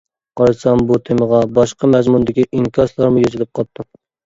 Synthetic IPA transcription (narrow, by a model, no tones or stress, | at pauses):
qɑjsɑmbut̪ʰeməʁɑbɑʃqɑmæzmund̪ɪkʲiʔiŋkʲʰɑslˠɑɾmʊjozɪlɪp̚qʰɑt̪ʰːɨm